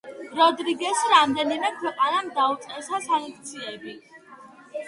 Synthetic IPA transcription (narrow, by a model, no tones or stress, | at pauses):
ɾɔd̪ɾiɡɛsɾamd̪ɛnimɛkʰwɛqʼanamd̪aut̪sʼɛsasaŋkʰt̪sʰiɛbi